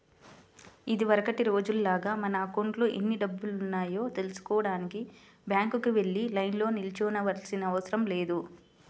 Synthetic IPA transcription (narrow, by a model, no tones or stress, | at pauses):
id̪iʋɐɾɐkɐʈiɾo̞ːd͡ʒullaːɡaːmɐnɐaːkoɳʈloːʔenːiɖɐbːulunːaːjo̞ːt̪e̞lusu̥kɔːɐɽaːniki | bjaːŋkukuʋe̞ɭːilɐjnlo̞ːnilit͡ʃɔːnɐʋɐɾsinɐːʋɐsɐɾɐmle̞ːd̪u